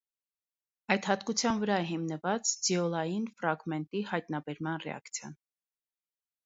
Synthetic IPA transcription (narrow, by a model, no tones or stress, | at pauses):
ɑjt̪hɑt̪kut͡sʰjɑnvəɾɑɛɦimnəvɑt͡sd͡ziɔlɑjinfɾɑɡmɛnt̪ihɑjt̪nɑbɛɾmɑnrɛ̰ɑ̰kt͡sʰjɑ̰n